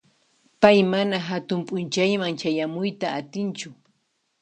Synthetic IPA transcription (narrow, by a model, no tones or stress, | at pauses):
pajmanaɦat̪ʊmpʼʊnt͡ʃajmaŋt͡ʃajamʊjt̪aːt̪ɪnt͡ʃʊ